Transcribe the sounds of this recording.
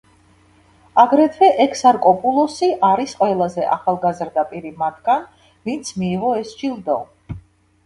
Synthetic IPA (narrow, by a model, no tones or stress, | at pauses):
aɡɾɛt̪ʰvɛʔɛkʰsaɾkʼɔpʼulˠɔsiʔaɾisqʼwɛlˠazɛʔa̰χalˠɡazɾd̪apʼiɾimat̪ʰɡan | vint̪sʰmiːʁɔɛsʒilˠd̪ɛɔ